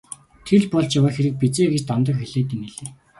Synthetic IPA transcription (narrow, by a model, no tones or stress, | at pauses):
t̪ʰeɮpɔɮt͡ɕjawaːxeɾɘ̆k̚pit͡seːɣet͡ɕt̪amt̪̬ə̆kxeɮeːt̪̬ineɮeː